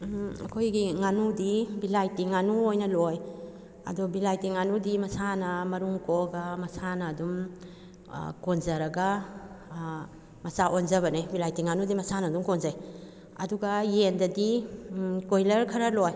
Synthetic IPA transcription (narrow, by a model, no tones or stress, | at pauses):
ɐ̰kʰojɡiŋanudibilajtiŋanuojnɐloj | ɐ̰dɔbilajtiŋanudimɐsanɐmɐɾuŋkoɡɐmɐsanɐːdum̰ | konzɐɾɐɡɐ | mɐsaʔonzɐβɐnejbilajtiŋanudimɐsanɐduŋkonzaj | ɐduɡajendɐdi | kojlɐɾkʰɐɾɐloj